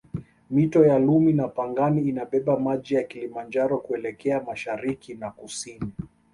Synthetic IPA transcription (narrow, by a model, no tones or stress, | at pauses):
mitɔjaluminapaŋɡaniːnaɓɛɓamaʄijakilimand͡ʒaɾɔkuɛlɛkɛamaʃaɾikinakusini